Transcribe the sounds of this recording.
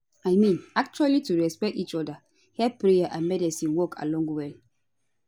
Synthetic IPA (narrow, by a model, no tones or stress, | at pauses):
ajmĩnak̚t͡ʃualituɹɛspɛk̚tit͡ʃɔda | hɛpɹejaʔãnmɛdisĩnwɔkʰa̰lɔ̃ŋɡwɛl